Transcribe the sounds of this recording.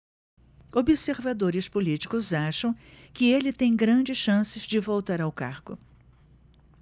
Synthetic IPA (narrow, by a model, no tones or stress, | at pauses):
obɪseɾvad̪oɾɪspolit͡ʃi̥kʊzaʃɐ̃w̃kɪelɪt̪ẽj̃ɡɾɐ̃d͡ʒɪsʃɐ̃sɪzd͡ʒɪvowt̪aɾawka̰ɾkʊ